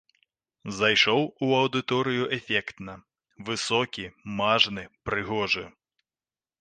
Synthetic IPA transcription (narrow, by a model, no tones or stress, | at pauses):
zajʂɔwuɐwd̪ɨt̪ɔɾɨjuʔɛfʲɛkt̪nɐ | vɨsɔkʲimaʐnɨpɾɨɣɔʐɨ̰